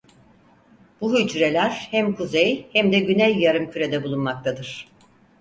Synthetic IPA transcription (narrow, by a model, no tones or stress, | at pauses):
b̥uɦyd͡ʒɾe̞lʲæɾ̥hæmkʰuzejhæmd̪ɛɟynɛjːaɾɯmcʰyɾe̞d̪ɛbulˠunmakt̪ʰad̪ɯɾ̥